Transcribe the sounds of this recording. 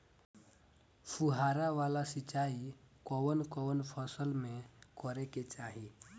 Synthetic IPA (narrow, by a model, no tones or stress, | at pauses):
pʰuɦaɾaʋalasit͡ʃai | kɔwənkɔʋənpʰəsəlmekɔɾɛket͡ʃaɦi